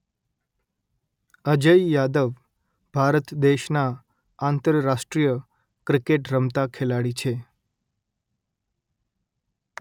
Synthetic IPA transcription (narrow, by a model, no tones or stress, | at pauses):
əd͡ʒəijad̪əʋ | bʱaɾət̪d̪eʃna | ant̪əɾɾaʃʈɾijə | kɾikeʈɾəmt̪akʰelaɽit͡ʃʰe